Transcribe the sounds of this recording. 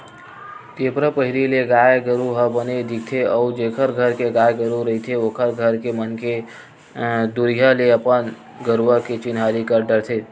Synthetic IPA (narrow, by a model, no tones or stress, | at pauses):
t̪epɾəpəɦiɾileɡajɡəɾuɦəbəned̪ik̚t̪ʰeəud͡ʒekʰəɾɡʱəɾkeɡajɡəɾuɾəɦit̪ʰeokʰəɾɡʱəɾkemənke | d̪uɾijəleəpən | ɡəɾʋəket͡ʃɪnɦaɾikəɾɖəɾt̪ʰe